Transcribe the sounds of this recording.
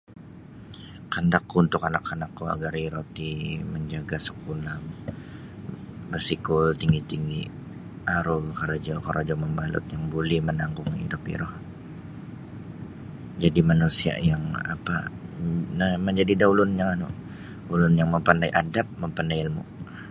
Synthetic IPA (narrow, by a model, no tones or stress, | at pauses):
kandakːuunt̪ʊkanakʰːanakːua̰ɡaɾiɾot̪iməɲd͡ʒaɡasə̥kulam | bərsikʊlt̪iŋɡit̪iŋɡi | aɾʊkaɾad͡ʒakaɾʔod͡ʒɔməmbalʊ̰t̪jaŋbolɛhmənaŋkʊŋidɔpḭɾɔh | d͡ʒadimanusia̰jaŋa̰pa | nməɲd͡ʒadidaulʊnjaŋanʊ̰ | ulʊnjaŋməmpandajʔadap̚məmpandajilmʊ̰